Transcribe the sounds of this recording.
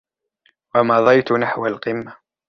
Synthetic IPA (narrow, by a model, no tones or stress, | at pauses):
wamɑðˤɑjt̪ʊnaħwalqɨmːa